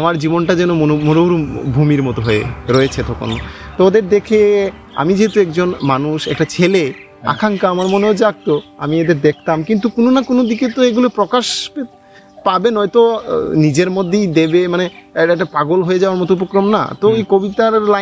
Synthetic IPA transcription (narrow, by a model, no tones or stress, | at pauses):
amaɾd͡ʑibonʈad͡ʑɛnooomonoɾubʱumiɾmɔt̪oɦoḛɾoet͡ɕʰet̪ʰɔko̰not̪od̪eɾd̪ekʰe | a̰mid͡ʑeɦet̪uɛkd͡ʑonmanuʃɛ̰k̚ʈat͡ɕʰele | a̰kʰaŋkaamaɾmoneod͡ʑak̚t̪oamied̪eɾd̪ek̚ʰt̪amkint̪̬ukononakonod̪iket̪oeɡulopɾɔkaʃpe | pabenɔjt̪onid͡ʑeɾmod̪ʱːejd̪ebemaneeɛk̚ʈapaɡolɦoed͡ʑaoaɾmɔt̪oupokɾomna̰t̪oojkobit̪aɾla